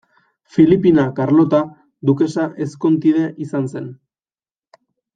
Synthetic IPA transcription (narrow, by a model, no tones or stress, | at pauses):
filipinakaɾlo̞t̪a | d̪uke̞saʔe̞sko̞nt̪iðe̞ʔisanse̞n